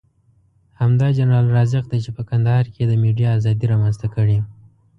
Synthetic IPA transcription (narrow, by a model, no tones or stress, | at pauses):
hamd̪ɑd͡ʒanɾɑlɾɑzɪqd̪ajt͡ʃepəkand̪ahɑɾked̪əmeɖijɑːzɑd̪iɾɑmanzt̪akəɽi